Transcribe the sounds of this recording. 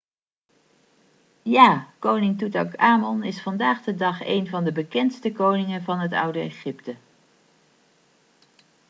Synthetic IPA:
jaːkownɪŋtutɑkaːmɔnɪsfɑndaːχdədɑχḛjnvɑndəbəkɛntstəkownɪŋənvɑnɦətʌ̰wdəeχɪptə

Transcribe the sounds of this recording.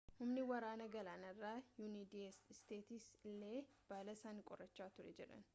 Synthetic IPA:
hʊmnɪwɐɾaːnɐɡɐlaːnɐrːaːjunid̪isst̪eːt̪ɪslːeːb̥aːlɐsaːnɪkʼɔrːɐt͡ʃːaːt̪ʊɾɛ̰d͡ʒɛᶑɐ̰n

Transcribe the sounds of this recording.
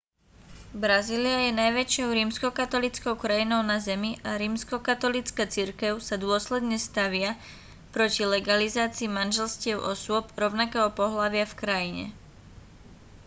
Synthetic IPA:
bɾaziːliajɛnajʋɛt͡ʃɪɔʊɾiːmskɔkat̪ɔlit͡skɔʊkɾajinɔʊnazɛmiʔaɾiːmskɔkat̪ɔlit͡skaːt͡siɾkɛʊsad̪ʊɔslɛd̪ɲɛst̪aʋɪa | pɾɔcilɛɡalizaːt͡siːmanʒɛlscɪɛʊʔɔsʊɔbɾɔʊnakɛːɦɔpɔɦlaʋɪafkɾajiɲɛ̰

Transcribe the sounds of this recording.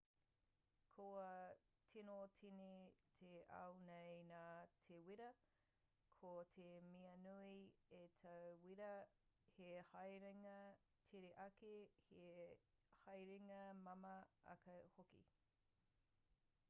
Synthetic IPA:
kʰoɐ | tʰinotʰinetʰeʔɐ̰wnejnaːtʰewiɾɐ | kʰotʰemiɐnuietʰɐwwiɾɐhehɐjɾeŋɐ | tʰeɾeʔɐkehe | hɐjɾeŋɐmɐmɐɐ̰kɐhokḭ

